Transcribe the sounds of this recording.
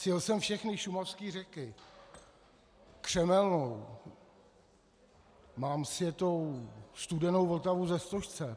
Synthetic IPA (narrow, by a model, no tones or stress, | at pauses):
sjɪlsɛmfʃɛxnɪʃumafskiːr̝ɛkɪ | kr̝̥ɛmɛlnow | maːmsvjɛt̪owst̪udɛno̞wvlt̪avuzɛst̪oʃt͡sɛ